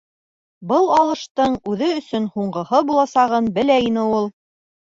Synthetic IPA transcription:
bɤlˠɑlˠɤ̆ʃt̪ɤɴʉðɘɵ̆sɵnhuɴɢɤ̆hɤbulˠɑsɑʁɤnbɘ̆læinɘulˠ

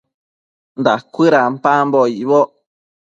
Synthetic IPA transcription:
nd̪akʷɨɾampamboiβo

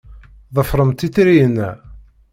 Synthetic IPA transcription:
ðˤəfɾˤəmt̪iθɾijənːæ

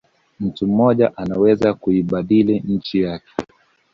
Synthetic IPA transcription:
m̩tum̩mɔʄaʔanawɛzakuiɓaɗiliɲ̩t͡ʃijakɛ̥

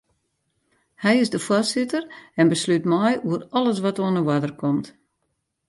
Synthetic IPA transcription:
hɛjɪsdəfwɔrsɪtərɛnbəslytmɔjuərɔlˠəs̬ʋɔtoənəwadərkʰɔmt

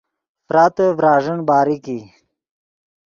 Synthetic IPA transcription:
fɾaːt̪əvɾɑːʐənbɑːɾiki

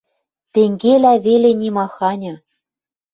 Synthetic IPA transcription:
t̪eŋɡelæβelenʲimɑxɑnʲɤ̆

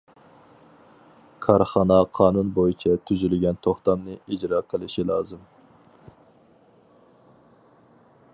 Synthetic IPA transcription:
kʰɑɾχɑnɑqʰɑːnunbojit͡ʃʰɛt̪ʰyzylɪɡʲɛnt̪ʰoχt̪ɑmnɨid͡ʒɾɑːqʰəlˠɪʃilˠɑːzɨm

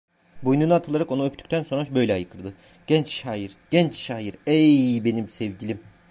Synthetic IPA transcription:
bujnunuat̪ʰɯlˠaɾako̞naøpt̪ʰy̥c̚ʲt̪ʰænso̞nɾaʃbø̞jlʲɛajɯkʰɯɾˠd̪ɯ | ɟ̥ɛnt͡ʃʃaːjiɾɟ̥ɛnt͡ʃʃaːjiɾɛjbe̞nimsɛvɟilʲim

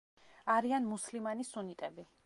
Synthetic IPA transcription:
aɾianmuslimanisunit̪ʼɛbi

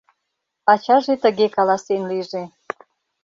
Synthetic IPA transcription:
ɑt͡ɕɑʒet̪ə̆ɣekɑlɑsenliʒe

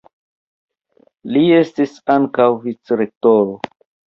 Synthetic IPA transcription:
lie̞stisaŋkawvit͡sɾek̚toɾo

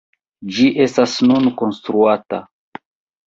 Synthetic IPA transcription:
d͡ʒiʔe̞stasnunko̞nstɾuata̰

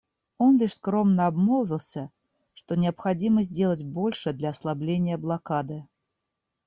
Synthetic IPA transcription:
ɔnlʲɛʂskɾɔmnɐabmɔlˠvʲilˠsʲɐ | ʂt̪ɔnʲɪɐpxad͡zʲiməzʲd͡zʲelˠɐd͡zʲbɔlʲʂɛd̪lʲɐːslˠablʲenʲːɪjɐblˠakad̪ɨ

